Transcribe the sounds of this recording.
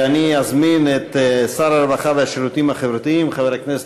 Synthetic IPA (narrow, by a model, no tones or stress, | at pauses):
aniazminet̪saɾaɾbaχaveaʃeɾut̪iimhaχevɾot̪iimχaveɾhaknese